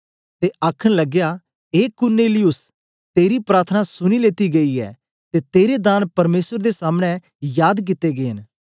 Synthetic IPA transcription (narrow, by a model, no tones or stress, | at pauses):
t̪eʔaːkʰəɽ̃lɐɡja | eːkʊɾneːlɪjʊs | t̪eːɾipɾaːɾt̪ʰənasʊñileːt̪iɡɐiɛ̰ | t̪et̪eːɾed̪aːnpɐɾmeːsəɾd̪esaːmɽ̃ɛ̃ | jaːd̪k̬ɪt̪ːeɡeːɦən